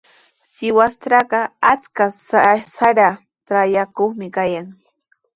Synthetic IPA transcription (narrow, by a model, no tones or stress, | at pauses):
sɪwast̪ɾaɢɑat͡skassaɾa | ʈ͡ʂajakoχmɪkajaŋ